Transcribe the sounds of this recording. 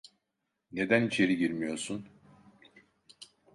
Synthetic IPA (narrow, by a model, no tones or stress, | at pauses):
ne̞d̪ænit͡ʃʰe̞ɾiɟiɾmijo̞ɾsun